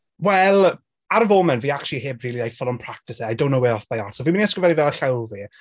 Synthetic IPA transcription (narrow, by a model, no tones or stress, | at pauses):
wɛlˠ | aɾəvoːmɛnviːakʃliheːbviːliajfɔlˠɔmpʰr̥ak̚tɪsɛajdõw̃nːowɛɔfbajatsɔviːmɪniɛskəvɛnivɛlˠɬɛwˠvi